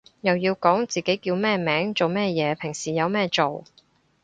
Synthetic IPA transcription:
jɐ˨wjiː˧wkɔː˨˥ŋt͡siː˨˩ke˨˥jkiː˧wmɛː˥˧mɛː˨˥ŋt͡so˨wmɛː˥jɛː˨˧pʰɪ˨˩ŋsiː˨˩jɐ˨˧wmɛː˥t͡so˨w

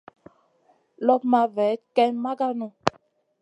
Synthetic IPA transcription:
lɔ˦pma˨vɛ˨˦kɛ˦nma˦ɡa˦nɔ̃˨

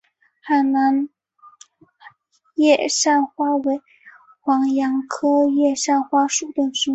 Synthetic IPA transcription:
xa˨˩na˧˥n | jɛ˥˧ʂa˥˩nxwa˥we˧˥ɪ | xwɑ˧˥ŋjɑ˧˥ŋkʰɤ˥jɛ˥˧ʂa˥˩nxwa˥ʂu˨˥˩t̪ə˥˩ŋʂ̩˧˥

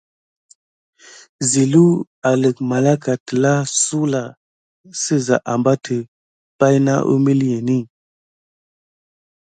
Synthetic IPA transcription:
zi˨lu˦ | a˨lə˨k̚ma˨la˦ka˨tə˨la˦su˦la˨ | sə˦za̰˨ʔa˨mba˦tʰə˨ | pa˦jna̰˦ʔṵ˦mi˦lje˨ni˦˨

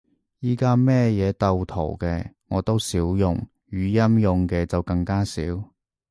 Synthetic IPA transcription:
jiː˥kaː˥mɛː˥˩jɛː˨˧t̪ɐ˧wt̪ʰo̰˨˩wkɛː˧ŋɔː˨˧t̪o˥wsiː˨˥wjʊ̰˨˧ŋ | jyː˨˧jɐ˥mjʊ˨ŋkɛː˧t͡sɐ˨wkɐ˧ŋkaː˥sḭː˨˥w

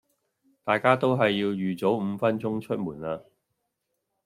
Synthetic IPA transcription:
t̪aː˨jkaː˥t̪o˥wɦɐ˨jːiː˧wjyː˨t͡so˨˥wm̩˨˧fɐ˥nt͡ʃʊ˥ŋt͡ʃʰɵ˥t̚muː˨˩naː˧

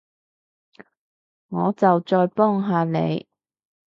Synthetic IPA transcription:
ŋɔː˨˧t͡sɐ˨wt͡sɔː˧jpɔː˥ŋɦaː˨lḛ˨˧j

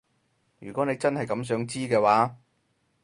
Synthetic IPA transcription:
jy̰ː˨kɔ˨˥ne˨˧jt͡sɐ˥nhɐ˨jkɐ˨˧ms̬œː˨˥ŋt͡siː˥kɛː˧waː˨˥

